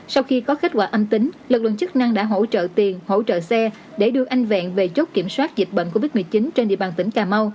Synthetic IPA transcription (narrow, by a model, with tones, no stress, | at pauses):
sa˧wxi˧kɔ˨˦xa˦˥k̚kwa̰ː˧ʔə˧mt̪ï˨˦ŋ̟lɨ˨˩k̚lə̰˧˨nt͡ɕɨ˦˥k̚na˧ŋɗa̰ː˧˥ɦo̰˧˥t͡ɕə̰ː˧˨t̪i˨˩ənho̰˧˥t͡ɕə̰ː˧˨sɛ˧ | ɗe˧˩ɗɨ˧əʔa˧jŋ̟vɛ̰˧˨nve˨˩t͡ɕo˦˥t̚ki˧˩əmswaː˦˥t̚zi˨˩t̚ɓə̰˧˨nko˧vi˦˥t̚mɨ˨˩ət͡ɕi˨˦nt͡ɕe˧nɗḭ˧˨əɓaː˨˩nt̪ï˨˦ŋ̟kaː˨˩ma˧w